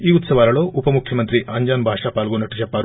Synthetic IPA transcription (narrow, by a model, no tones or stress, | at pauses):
iːut̪sɐʋaːɾɐɭoːʔupɐmukʰjɐmɐnt̪ɾiʔɐɲd͡ʒaːnbʱaːʂaːpaːlɡoːnɐʈːut͡ʃɛpːaːɾ